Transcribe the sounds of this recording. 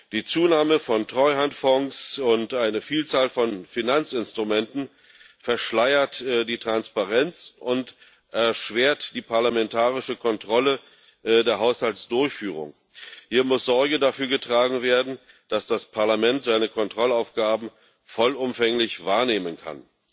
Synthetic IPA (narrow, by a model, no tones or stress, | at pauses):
d̥iːt͡suːnaːməfɔntʁ̥ɔʏhantfɔŋsʊntʔaɪnəfiːlt͡saːlfɔnfinant͡sɪnstʁ̥ʊmɛntn̩ | fɛɐʃlaɪɐtːdiːtʁ̥anspaʁɛnt͡sʔʊnt | ʔɛɐʃv̥eːɐtd̥iːpʰaɐlamɛntʰaːʁɪʃəkʰɔntʁ̥ɔlə | deːɐɦaʊshaltsd̥ʊɐçfyːʁ̞ʊ̰ŋ | hiːɐmʊsz̥ɔɐɡədafyːɐɡətʁ̥aːɡŋ̩veːɐdn̩ | d̥asd̥aspʰaɐlamɛntz̥aɪnəkʰɔntʁ̥ɔlaʊfɡ̥aːbm̩ | fɔlʊmfɛŋlɪçv̥aːɐneːmənkʰa̰n